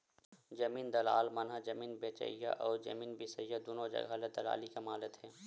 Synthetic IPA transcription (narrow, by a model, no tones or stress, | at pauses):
d͡ʒɐmiːnd̪ɐla̰ːlmɐnɦad͡ʒɐmiːnbeːt͡ʃə̰ja̰ʔɔːɾd͡ʒɐ̰miːnbɪsəjad̪oːnod͡ʒɐ̰ɡaled̪ɐla̰ːlikɐmaːlət̪ɦɛː